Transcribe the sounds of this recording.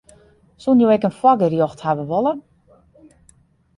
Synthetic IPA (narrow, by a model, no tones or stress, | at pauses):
sunjowɛkənflɔɡərjoxthaʋəʋolˠə